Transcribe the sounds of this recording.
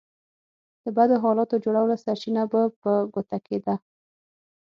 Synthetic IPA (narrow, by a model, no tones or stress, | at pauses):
d̪̥əbad̪oɦɑlɑt̪od͡ʒoɽawlasaɾt͡ʃinabapəɡot̪aked̪a